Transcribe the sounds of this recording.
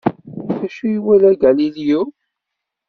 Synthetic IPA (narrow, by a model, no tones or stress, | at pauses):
θæʃujiwælæɡæliliju